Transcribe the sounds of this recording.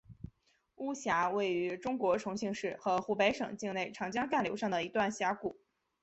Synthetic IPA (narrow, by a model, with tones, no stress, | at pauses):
u˥ɕja˧˥we˥˩ɪy˧˥ʈ͡ʂʊ˥ŋkwɔ˧˥ʈ͡ʂʰʊ˧˥ŋɕi˥˧ŋʂɻ̩˥˩xɤ˧˥xu˧˥pe˧˥ɪʂɤ˨˩ŋt͡ɕi˥˧ŋne˥˩ɪʈ͡ʂʰɑ˧˥ŋt͡ɕjɑ˥ŋka˥˩nljo˧˥ʊʂɑ˥˩ŋd̪ə˩i˧˥t̪wa˥˩nɕja˧˥ku˨˩˦